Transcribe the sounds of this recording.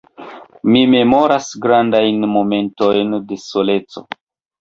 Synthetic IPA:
mime̞mo̞ɾasɡɾandajnmo̞me̞nto̞jnde̞sole̞t͡so̞̰

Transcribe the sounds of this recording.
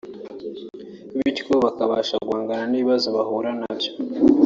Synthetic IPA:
βitkoβakaβaːʃaɡwaːŋɡananiːβiβazoβahuɾanabjo̥

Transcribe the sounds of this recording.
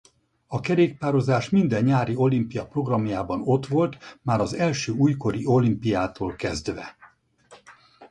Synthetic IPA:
ɒkɛɾeːkpaːɾo̞zaːʃmind̪ɛɲːaːɾio̞limpijɒpro̞ɡrɒmjaːbɒno̞t̪ʋo̞lt̪maːɾɒzɛlʃøːuːjko̞ɾio̞limpijaːt̪oːlkɛzd̪ʋɛ̰

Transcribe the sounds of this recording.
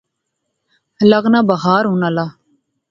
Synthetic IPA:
ləɡnaːbəɦaːɾɦuːnaːlaː

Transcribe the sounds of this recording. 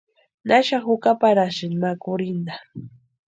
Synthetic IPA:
naʃaxʊkapaɾaʃɪnmakʊɾɪnd̪a

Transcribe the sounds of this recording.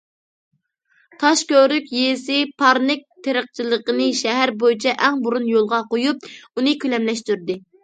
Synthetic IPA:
t̪ʰɑʃkʲøɾykʲjesɪpʰɑɾnɪk̚ʲt̪ʰeɾəq̚t͡ʃʰilˠəqənɨʃɛɦæɾbojit͡ʃʰɛʔɛŋbuɾunjolˠʁɑqojup̚unɨkʲʰylɛmlɛʃt̪yɾd̪ɪ

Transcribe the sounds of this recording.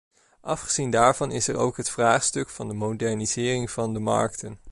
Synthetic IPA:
ʔɑfχəz̥indaːɹvɑnɪsɛɹo̰wkɦətfraːχstɵkfɑndəmowdɛɹniz̥ɪːrɪŋv̥ɑndəmɑ̰ɹk̚tən

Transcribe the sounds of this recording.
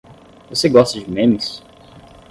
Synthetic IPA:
voseɡɔst̪ɐd͡ʒɪmẽmis

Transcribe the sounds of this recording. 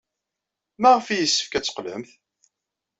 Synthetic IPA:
mæʁəfijəsːə̥fkæt͡sːə̥qlə̰mθ

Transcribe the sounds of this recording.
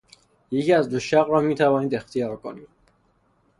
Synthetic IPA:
jecʰiæzd̪oʃæɣɾɒːmiːt̪ʰævɒːniːd̪e̞xt̪ʰijɒːɾkʰoniːd̪̥

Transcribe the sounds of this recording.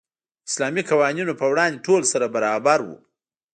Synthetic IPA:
ɪslɑmikawɑninopəwɽɑnd̪eʈolsaɾabaɾɑbaɾwṵ

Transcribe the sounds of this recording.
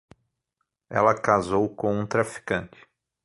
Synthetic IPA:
ɛ̰lɐkazowkõũt̪ɾafi̥kɐ̃nt͡ʃɪ̥

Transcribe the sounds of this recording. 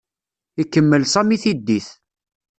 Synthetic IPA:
ikːəmːəlsɑmiθid̪ːiθ

